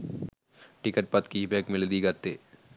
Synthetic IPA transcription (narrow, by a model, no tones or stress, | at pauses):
ʈɪkəʈ̚pɐt̪kibeːkmɪld̪iɡɐt̪ːeː